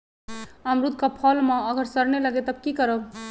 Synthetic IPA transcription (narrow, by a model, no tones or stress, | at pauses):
amɾud̪ʱkapʰʌlmaəɡəɾsəɾneləɡet̪əb̚kikəɾə